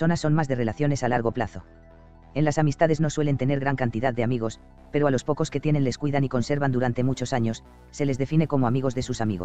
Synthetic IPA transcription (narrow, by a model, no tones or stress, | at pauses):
so̞nasːo̞nmazðe̞re̞laθjo̞ne̞salaɾɣ̞o̞plaθo̞ | e̞nlasamist̪aðe̞zno̞swe̞le̞nt̪e̞ne̞ɾɣɾaŋkant̪iðaðːe̞amiɣ̞o̞s | pe̞ɾo̞alo̞spo̞ko̞ske̞t̪je̞ne̞nle̞skwiðaniko̞nse̞ɾβand̪uɾant̪e̞mut͡ʃo̞saɲo̞sː | e̞le̞zðe̞fine̞ko̞mo̞amiɣ̞o̞zðe̞susamiɣo̰